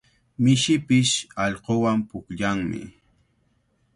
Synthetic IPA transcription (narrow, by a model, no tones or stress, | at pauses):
mɪʃɪpɪʃɑʎqowampʊkʎaŋmɪ̰